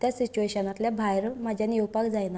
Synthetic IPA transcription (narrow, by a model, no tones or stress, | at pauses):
t̪jasit͡ɕueɕənat̪ljabʱajɾməd͡ʑʱjaniwpakd͡zajna